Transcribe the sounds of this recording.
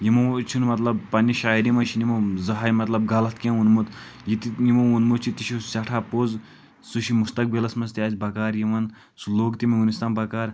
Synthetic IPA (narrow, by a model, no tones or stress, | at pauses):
jimɐt͡ʃʰinmɐt̪lɐb̚pːɐnʲːiʃaːiɾimɐt͡ʃʰinimɐzɐɦaːjmɐt̪lɐb̚ɡɐlɐt̪kʲẽnunmut̪ | jit̪ijimɐunmut̪t͡ʃʰit̪iʃʰisʲɐʈʰaːpoz | suʃimust̪ɐk̚bilɐsmɐst̪iaːzbɐkaːɾjiʋɐn | suloːkt̪imɐɡunist̪ɐnbɐkaːɾ